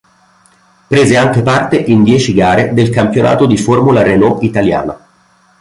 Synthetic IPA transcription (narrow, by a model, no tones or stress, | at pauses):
pɾeːzeaŋk̟epart̪eʔind̪jɛːt͡ʃiɡaːɾed̪elkampjonʔa̰ːt̪od̪iformulaɾenɔʔit̪alja̰ːna